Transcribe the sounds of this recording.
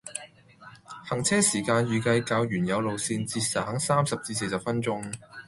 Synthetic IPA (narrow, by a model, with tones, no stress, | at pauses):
hɐ˨˩ŋt͡sʰɛː˥siː˨˩kaː˧njyː˨˩kɐ˧jkaː˧wjyː˨˩njɐ˨˧wlo˨wsiː˧nt͡siː˧t̚sɐ˨ɦɐ˨˥ŋsaː˥msɐ˨p̚t͡siː˧s̬e˧jsɐ˨p̚fɐ˥nt͡sʊ˥ŋ